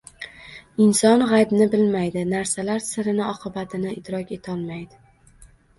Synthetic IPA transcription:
ɪnsɒnʁajbnɪbɪlmajd̪ɪnaɾsalaɾsɪɾɪnɪɒqʰɨbat̪ʰɪnɪɪt̪ɾɒkʲe̞t̪ʰɒlˠmajd̪ɪ

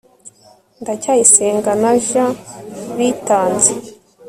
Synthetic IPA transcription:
ndacaːjiseːŋɡanaʒaβitaːnze

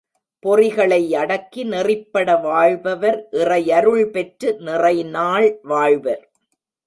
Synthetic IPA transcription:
pɔrɪɣɐɭɐɪɐɽɐkːinɪrɪpːɐɽɐʋaːɻbɐʋɐɾʔɪrɐjɐɾɯɭpɛʈrɯnɪrɐɪnaːɭʋaːɻbɐɾ

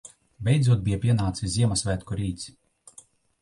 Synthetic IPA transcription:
bʲɛjd̪zuɔd̪̚bʲijapʲiɛnaːt̪sizʲiɛmasvʲæt̪kɔɾiːt̪sʲ

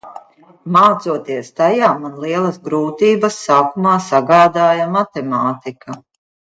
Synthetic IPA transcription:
maːt̪suɔt̪iɛst̪ajaːmanlˠiɛlˠɐsɡɾuːt̪iːbɐsːaːkumaːsaɡaːd̪aːjamat̪ɛmaːt̪ikʰa

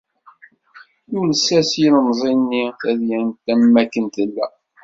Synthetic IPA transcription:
unəsːæsinəmzˤinːiθæðjænt̪ːæmːækːənt̪əlːæ̰

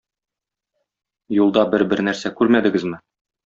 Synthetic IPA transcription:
julˠd̪ɑbɘɾbɘɾnæɾsækʉɾmæd̪ɘ̆ɡɘzmɘ

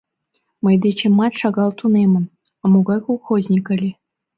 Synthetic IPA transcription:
mɤ̆jd̪et͡ɕemːɑt̪ʲʂɑɡɑlˠt̪unemʲɘ̆n | ɑmuɡɑjkolˠχozʲnʲikɤ̆lʲe

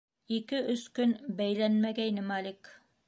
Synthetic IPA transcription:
ikɘʔɵskɵnbæjlænmæɡæinɘmɑlʲik

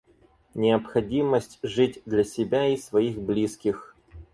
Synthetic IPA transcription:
nʲɪəpxɐdʲiməsʲtʲʐɨtʲd̪lʲɐsʲɪbʲaisvɐixblʲiskʲɪx

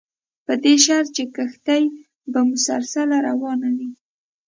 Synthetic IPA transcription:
pəd̪eʃaɾt͡ʃekəxt̪aj | bamʊsa̰ɾsalaɾawɑnawi

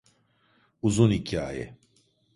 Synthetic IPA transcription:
uzunicʰia̰jɛ̰

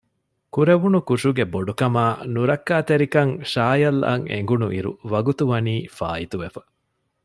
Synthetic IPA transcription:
kuɾeʋunukuʂuɡeboɖukɐmaːnuɾɐkːaːt̪eɾikɐŋʃaːjɐlːɐ̰ŋḛŋ̆ɡunuʔiɾṵʋɐɡut̪uʋɐniːfa̰ːit̪uʋefɐ̥

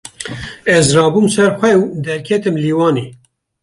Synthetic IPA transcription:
ɛzrɑːbuːmsɛɾxʷɛwd̪ɛɾkʰɛt̪ɨmliːwɑːneː

